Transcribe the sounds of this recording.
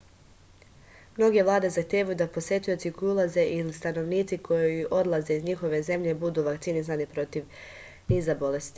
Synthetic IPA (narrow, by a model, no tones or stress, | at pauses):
mno̞ɡe̞ʋlˠaːd̪e̞zaxt̪jeːʋajud̪apo̞sje̞t̪ujot̪sikojulˠaze̞ʔilist̪ano̞ʋniːt̪sikʰo̞jiʔo̞d̪lˠaze̞izɲixo̞ʋe̞ze̞mʎe̞bud̪uːʋakt̪inisanipɾo̞t̪iʋ | niːzabo̞le̞st̪i̥